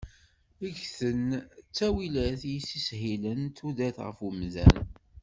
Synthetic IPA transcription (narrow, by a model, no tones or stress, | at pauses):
əʝθənt͡sːæwilæθjisːishilənt̪ːuðæθʁə̰fəmðæ̰n